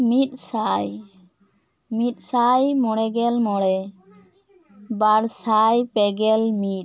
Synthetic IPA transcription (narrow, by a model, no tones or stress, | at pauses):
mit̪̚saj | mit̪̚ˀsajmɔɽɛɡɛlmɔɽɛ | baɾsajpɛɡɛlmit̪̚